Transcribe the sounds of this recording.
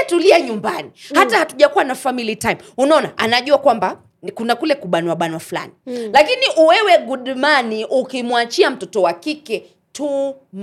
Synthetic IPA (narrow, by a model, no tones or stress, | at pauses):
tuliaɲumbanihatahatuʄakuwanafamilitajmunaɔnaʔanaʄuakwamba | kunakulɛkuɓanwaɓanwafula̰nilakiniʔuwɛwɛɡuɗumaniʔukimwat͡ʃiam̩tɔtɔwakikɛ | tu | m